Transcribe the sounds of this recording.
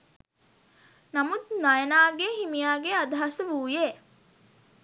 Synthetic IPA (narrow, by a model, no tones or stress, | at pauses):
nɐmut̪nɐjənaːɡehimijaːɡeɐd̪ɐɦɐsəʋuːjeː